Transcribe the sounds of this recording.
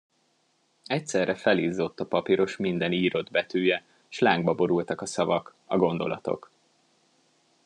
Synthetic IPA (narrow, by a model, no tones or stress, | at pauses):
ɛcsɛrːʔɛfɛliːzːo̞t̪ːɒpɒpiɾo̞ʃmind̪ɛniːɾo̞d̪bɛt̪øːjɛ | ʃlaːŋɡbɒbo̞ɾult̪ɒkɒsɒvɒkɒɡo̞n̪d̪o̞̰lɒ̰t̪o̞̰k